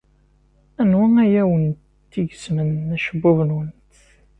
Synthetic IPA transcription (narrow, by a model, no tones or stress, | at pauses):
ænwææjæwən | t̪ːiʝəzmənæʃəbːʊvənwənt̪